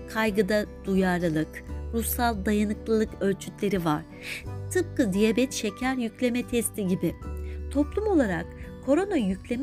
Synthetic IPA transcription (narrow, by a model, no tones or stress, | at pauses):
kʰajɡɯd̪ad̪̥ujaɾlɯlˠɯkɾusalˠd̪ajanɯklˠɯlˠɯkø̞lʲt͡ʃʰyt̪lʲe̞ɾivaɾ̥ | t̪ʰɯp̚kːɯd̪ijabɛt̪ʃe̞cʰæɾjyclʲe̞mɛt̪ʰɛst̪ʰiɟibɪt̪ʰo̞plˠumo̞lˠaɾa̰kkʰːo̞ɾo̞najyclʲe̞m